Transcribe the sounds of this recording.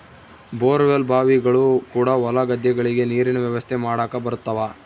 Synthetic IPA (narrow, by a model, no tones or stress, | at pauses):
boːɾʋjɐlbʱaːʋiɡɐɭukuːɽaʋɐlɐɡɐd̪jɐɡɐɭiɡe̞niːɾinɐʋjɐʋɐst̪ʰemaːɽaːkɐbɐɾut̪ːɐʋaː